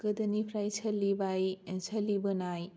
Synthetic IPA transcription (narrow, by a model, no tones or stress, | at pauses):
ɡɐdɐnipʰɾajsʰɐlːibajensʰɐlːibɯnaj